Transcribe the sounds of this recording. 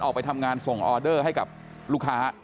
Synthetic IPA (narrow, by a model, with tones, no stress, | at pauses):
ʔɔ˨˩pa˧jt̪ʰa˧mŋaː˧nso˨˩ŋʔɔː˧dɤː˥˩ɦa˥˩jka˨˩p̚ | luː˥˩kʰaː˦˥